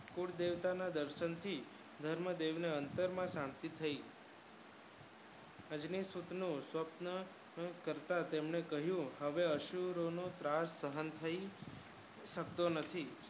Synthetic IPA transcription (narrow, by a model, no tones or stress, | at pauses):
kuɽd̪eʋt̪anad̪əɾʃənt̪ʰi | d̪ʱəɾməd̪eʋneənt̪əɾmãsãmt̪it̪ʰəi | əd͡ʒnisut̪nũsʋəpnə | kəɾt̪at̪emɳekəɦjũɦəʋeəʃuɾonot̪ɾasːəɦənt̪ʰəi | ʃək̚t̪onət̪ʰi